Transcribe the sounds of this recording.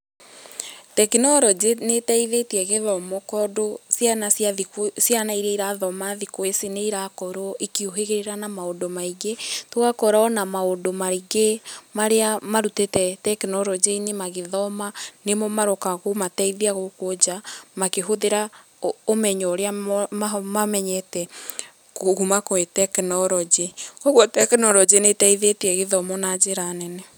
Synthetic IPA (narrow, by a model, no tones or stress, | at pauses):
tɛkinɔɾɔd͡ʑenetɛiðetiɛɣeðɔmɔkɔdosjanasjaðiksjanaiɾeiɾaðɔmaðikoeseneiɾakɔɾoʔikioɦeɣeɾeɾanamaondomaiɣetwakɔɾaɔnamaondomaɾiɣemaɾeamaɾutetɛtɛknɔɾɔd͡ʑeinemaɣeðɔmanemɔmaɾɔkaɣomatɛiðiaɣokod͡ʑamakeɦoðeɾa | omɛɲɔoɾeaamamɛɲɛtɛ | koɣumakoetɛknɔɾɔd͡ʑeoɣwɔtɛknɔɾɔd͡ʒenetaiðeteɛɣeðɔmɔnad͡ʒeɾanɛnɛ